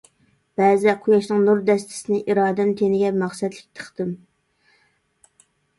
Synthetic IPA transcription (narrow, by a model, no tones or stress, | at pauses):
b̥ɛzɪqʰʊjɑʃnɨŋnuɾd̪ɛst̪ʰɪ̥sɪnɪʔiɾɑːd̪ɛmt̪ʰenɪɡʲɛmɑχsɛt̪lɪ̥k̚ʲt̪ʰə̥χt̪ɨm